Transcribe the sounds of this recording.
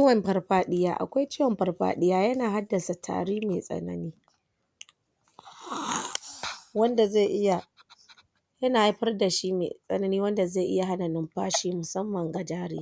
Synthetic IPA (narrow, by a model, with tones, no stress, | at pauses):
t͡ʃːwɐ˨mbɐ˦rɸaː˦ɗɪ˦ja̰ː˦ʔa̰˨kʷa˦jt͡ʃɪː˦wɐ˨mɸɐ˨rɸa̰ː˦ɗɪ˦jaː˦jɐ˦naː˨ɦa˦dːɐ˨sa˨tʰa̰ː˨ɽiː˦meː˨sʼɐ̰˨nɐ̰˦niː˦ | wɐ˦nda˨ze˦˨ʔɪ˦ja˨ | jɐ˦naː˨a˦ɸɐ˦rda˨ʃi˦mḛ˨sʼɐ̰˦nɐ˦niː˦wɐ˦nda˨za˦˨ʔɪ˦ja˨ɦa˦na˨nɪ˦mɸaː˦ʃiː˦mʊ˨sɐ˦mːɐ˨ŋɡa˨d͡ʒaː˦ɾɪ̰˦